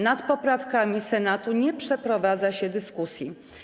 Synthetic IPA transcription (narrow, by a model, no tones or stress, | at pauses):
nat̪pɔpɾafkamʲisɛnat̪uɲɛpʂɛpɾɔvad̪zaɕɛd̪ɘskusʲji